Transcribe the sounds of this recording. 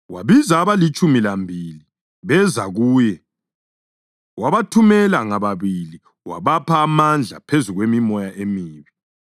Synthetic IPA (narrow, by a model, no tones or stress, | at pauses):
waβizaːβalit͡ʃʼumilambʱili | βɛzaɣuːjɛ | waβatʰumɛlaŋaβaβili | wa̰βapʰaːmand͡ɮʱa̰pʰezuɣwemimɔjaʔemiːβi